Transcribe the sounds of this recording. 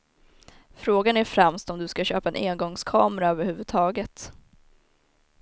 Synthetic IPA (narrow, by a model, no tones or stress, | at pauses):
fɾoːɡanæɾfɾɛmst̪ɔmd̪ɵskaɕøːpaɛnʔeːnɡɔŋskʰɑːmɾaøːvəɾhʉ̟ːvɵd̪̚t̪ʰɑːɡət̪